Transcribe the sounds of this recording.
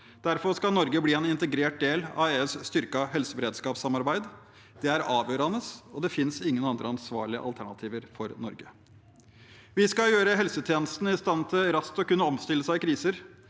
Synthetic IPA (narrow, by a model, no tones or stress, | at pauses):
d̪̥æɾfɔɾʂkɑlnɔɾɡəbliːɛnɪnt̪əɡɾeːʈ̚d̪eːlɑ̰eːʉːsst̪ʏɾkɑɦɛlsəbəɾeːd̪skɑːpsɑmɑɾbæɪd̪ | d̪̥ɛæɾɑːʋjøːɾɑnəsɔd̪ɛfɪnsɪŋːənɑnd̪ɾəɑnsʋɑ̰ːɭɪə̰ʔɑ̰lt̪ʰæɳɑt̪ʰiːʋəɾfɔɾnɔɾɡə | ʋɪskɑjøːɾəɦɛlsət̪ʰjeːnəst̪n̩əɪst̪ɑnt̪ʰɪlɾɑst̪ɔkʉnːəɔmst̪ɪlːəsæɪɪkʰɾiːsəɾ